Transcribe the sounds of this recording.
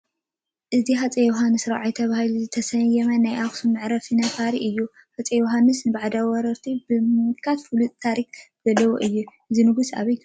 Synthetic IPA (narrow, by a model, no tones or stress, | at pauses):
ʔɨziɦat͡sʼejoɦanːɨsɾa̰ʕajt̪ʰɐβahluzɨt̪ʰɐsɐjɛmɐnːajʔaxsumɨʕɾɐfɨnɐfaɾiʔɨjːu | hat͡sʼejoɦanːɨsnɨbaʕad̪awɔɾɐɾt̪ʰibɨmɨkʰat̪fɨlut̪ʼt̪ʰaɾikzɐlːɐwoʔɨjːuʔɨzinɨɡusa̰βɐj